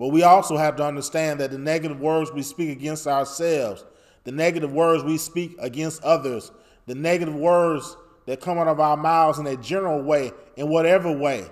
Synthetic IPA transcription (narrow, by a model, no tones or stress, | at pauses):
b̥ʌt̚wiɔlˠsoʊhæftəʌ̃ndə˞stæ̃nðɨt̪̚ðɨnɛɡɨɾɨvwɜ˞dzwispikɨɡɛ̃nstaʊə˞sɛlˠvz | ðɨnɛɡɨɾɨvwɜ˞dzwispikɨɡɛ̃nstʌðə˞z | ðɨnɛɡɨɾɨvwɜ˞dz | ðɨt̚kʰʌ̃maɾʌvaʊə˞maʊzə̃nɨd͡ʒɛnə˞l̩ˠweɪɨ̃nwʌɾɛvə˞weɪ